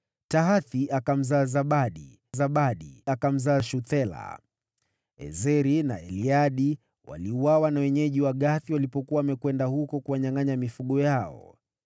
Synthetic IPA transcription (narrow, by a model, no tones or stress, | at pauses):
taɦaθiʔakam̩zaːzaɓaɗi | zaɓaɗiakam̩zaːʃuθɛla̰ | ɛ̰zɛɾina̰ɛ̰liaɗi | wa̰liuwawanawɛɲɛʄiwaɠaθiwalipɔkuwaːmɛkwɛndahukɔkuwaɲaŋaɲamifuɠɔjaɔ̰